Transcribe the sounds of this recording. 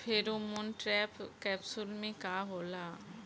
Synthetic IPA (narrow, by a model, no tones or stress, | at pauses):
pʰɪɾʊmʊnʈɾɛːpkɛːpsʊlmẽkaɦoːlaː